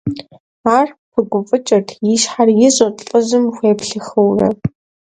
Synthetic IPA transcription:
aːrpʰɨɡʷʊfʼɨt͡ʃʼɐrtʰjiʃħarjɪʑʼɐtʼɨʑɨmxʷeːpɬɨxɨwrɐ̰

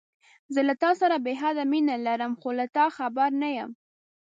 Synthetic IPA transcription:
zəlat̪ɑsaɾabeɦad̪aminalaɾəmxolat̪ɑxabaɾnajəm

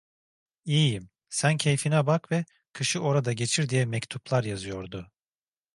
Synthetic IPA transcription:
iːjim | sæncʰe̞jfinɛbakvɛ | kʰɯʃɯʔo̞ɾad̪aɟe̞t͡ʃʰiɾd̪ijɛmɛct̪ʰuplˠaɾjazɯjo̞ɾd̪ʊ

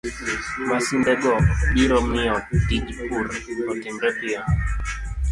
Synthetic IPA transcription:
masindɛɡɔɓiɾɔmiɔk̚tid͡ʒpuɾkɔtiŋɡɛpia

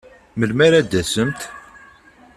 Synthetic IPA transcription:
məlmæɾæd̪ːæsəmt̪

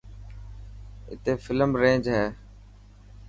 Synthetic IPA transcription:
ɪ̰t̪eːfɪləmɾẽːd͡ʒɦɛː

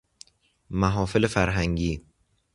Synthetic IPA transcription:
mæɦɒːfelefæɾɦæŋɟiː

